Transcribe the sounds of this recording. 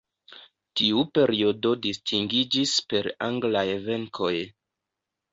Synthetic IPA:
tiupe̞ɾio̞do̞distʰiŋɡid͡ʒispe̞ɾaŋɡlajeve̞ŋkʰo̞j

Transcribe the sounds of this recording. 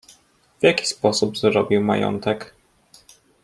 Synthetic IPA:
v̥jakʲi̥spɔsubzɾɔbʲiwma̰jɔ̰nt̪ɛk

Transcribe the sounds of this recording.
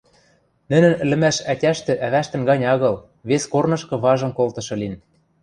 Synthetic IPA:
nɘ̆nɘ̆nɘ̆lɘ̆mæʃætʲæʃt̪ɘ̆ʔæβæʃt̪ɘ̆nɡɑnʲɑɣɤ̆l | βeskornɤ̆ʃkɤ̆βɑʒɤ̆mkolt̪ɤ̆ʃɤ̆lin

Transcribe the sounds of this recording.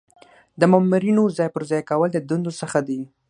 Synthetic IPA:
d̪əmamuɾinozɑjpəɾzɑjkawəld̪əd̪und̪osəxad̪i

